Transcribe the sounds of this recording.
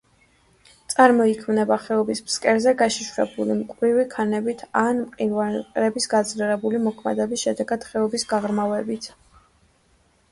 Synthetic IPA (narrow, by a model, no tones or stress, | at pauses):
t̪sʼaɾmɔikʰmnɛbaχɛɔbismskʼɛɾzɛɡaʃiʃuɾɛbulimkʼɾivikʰanɛbit̪ʰanmqʼivaɾɛbisɡad̪zlɛɾɛbulimɔkʰmɛ̰d̪ɛbisʃɛd̪ɛɡad̪̥χɛɔbisɡaʁɾmavɛbit̪ʰ